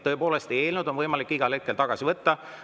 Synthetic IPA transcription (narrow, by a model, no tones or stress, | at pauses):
ɤ̞epo̞ːlest̪eeːlnud̪̥o̞nvɤjmɑlikːiɡ̥ɑlhe̞t̪̚kːˑe̞lt̪ɑɡ̥ɑsivɤt̪ːɑ